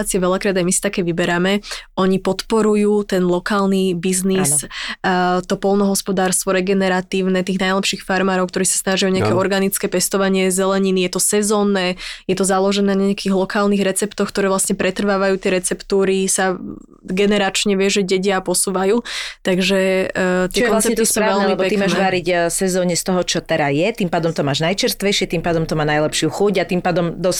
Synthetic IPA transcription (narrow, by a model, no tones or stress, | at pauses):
t͡siɛʋɛʎakɾaːd̪ajmisi̥t̪akɛːʋibɛɾamɛɔɲipɔt̪pɔɾujuːt̪ɛnlɔkaːlnibiznis | t̪ɔpɔlˠnɔɦɔspɔd̪aːɾst̪ʋɔɾɛɡɛnɛɾat̪iːʊnɛt̪iːɣnajlɛpʃiːxfaɾmaːɾɔʊkt̪ɔɾiːsḁsnaʒijɔɲɛakɛɔɾɡanit͡skɛːpɛst̪ɔʋaɲɪɛzɛlɛɲinijɛt̪ɔsɛzɔːnːɛːjɛt̪ɔzalɔʒɛnɛːɲɛakiːɣlɔkaːlniɣɾɛt͡sɛpt̪ɔxk̚t̪ɔɾɛːʋlasɲɛpɾɛt̪r̩ʋaːʋajuːt̪ɪɛɾɛt͡sɛpt̪uːɾisa | ɡɛnɛɾat͡ʃɲɛʋɪɛʒɛɟɛɟɪapɔsuːʋajuːt̪aɡʒɛt̪ɪɛkɔlnst͡sɛpɛt̪isuːɾavɛlɛmiɛbɔpɛk̪t̪immaːnʒɛʋaɾiɟsɛzɔːɲɛst̪ɔɦɔt͡ʃɔt̪ɛɾajɛt̪iːmpaːd̪ɔmt̪ɔmaːʒnajt͡ʃɛɾst̪ʋɛjʃɪɛt̪iːmpaːd̪ɔmt̪ɔmaːnajlɛpʃɪuxuɟat̪impaːd̪ɔmd̪ɔs